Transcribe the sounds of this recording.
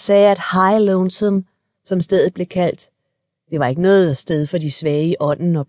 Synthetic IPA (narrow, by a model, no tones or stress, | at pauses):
sɛːæd̥hɑ̈ɪloʊnsəm | sɒ̽msd̥eðˠð̩ˠb̥le̝kʰæl̰d̥ | d̥e̝ʋɑ̈e̝ɡ̥ənɔ̽ːð̩ˠsd̥eð̞ˠfɒ̽d̥isʋɛːʔɒ̽n̰n̩ɒ̽